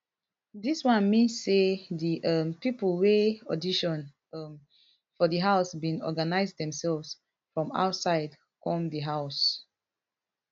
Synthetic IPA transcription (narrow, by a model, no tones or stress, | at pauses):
diswãnmĩsediʔʌmpipulweɔdiʃɔ̃n | ʌm | fɔdəɦaʊsbĩnɔ̰ɡanaɪzdɛ̃msɛlvs | fɹɔ̃ma̰ʊtsaɪd | kɔ̃mdiɦaʊs